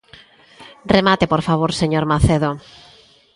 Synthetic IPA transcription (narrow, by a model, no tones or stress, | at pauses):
remat̪epoɾfaβ̞oɾseɲoɾmaθeðo